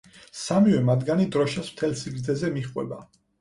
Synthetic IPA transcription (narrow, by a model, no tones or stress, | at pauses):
samivɛmad̪ɡanid̪ɾɔʃasm̥t̪ʰɛlsiɡɾd̪zɛzɛmiχʼwɛ̰ba